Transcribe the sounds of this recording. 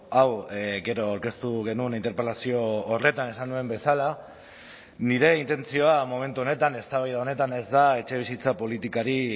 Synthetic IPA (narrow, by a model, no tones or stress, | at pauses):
awɡe̞ɾoawɾke̞st̪uɣe̞nunint̪eɾpelasio̞ːre̞t̪ane̞sanue̞mbe̞sala | niɾe̞int̪e̞nt͡sio̞amo̞me̞nt̪uo̞ne̞t̪ane̞st̪aβajðaone̞t̪ane̞zd̪ae̞t͡ʃe̞β̞isit͡sapo̞lit̪ikaɾi